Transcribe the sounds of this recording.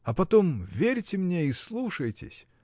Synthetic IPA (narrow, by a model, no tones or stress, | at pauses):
ɐpɐt̪omvʲeɾʲtʲɪmnʲeislˠuʂəjtʲɪ̰sʲ